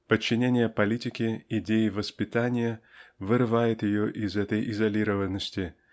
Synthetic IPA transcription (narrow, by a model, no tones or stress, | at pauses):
pət͡ɕːɪnʲenʲɪjəpɐlʲitʲɪkʲɪɪdʲejɪvəspʲɪt̪anʲɪjəvɨɾɨvajɪt̪jɪjoʔɪzɛt̪əjʔɪzɐlʲiɾəvənːəsʲtʲɪ